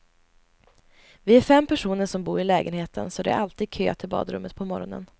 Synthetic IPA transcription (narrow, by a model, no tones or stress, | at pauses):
vɪæɾfɛmːpʰæʂuːnəʂɔmbuːɾɪlɛːɡənheːt̪ʰənsɔd̪ɛæ̰ɾʔalt̪iːd̪̚kʰø̰ːt̪ʰɪlbɑ̰ːd̪ɾɵmːət̪̚pʰɔmɔɾɔnə̰n